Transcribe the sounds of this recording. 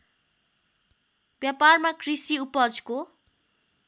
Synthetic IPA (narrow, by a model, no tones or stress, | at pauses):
bjaparmakrisiupʌd͡zko